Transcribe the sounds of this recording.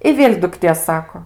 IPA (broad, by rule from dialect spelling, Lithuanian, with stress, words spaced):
ɪ ˈʋʲeːlʲ dʊkˈtʲeː ˈsɑːkoː